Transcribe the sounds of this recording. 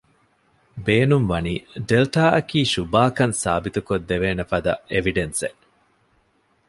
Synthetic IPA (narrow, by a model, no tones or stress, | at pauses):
beːnumʋɐniːɖelʈaːʔɐkiːʃubaːkɐnsaːbit̪ukod̪ːeʋeːnɐfɐd̪ɐʔeʋiɖensḛ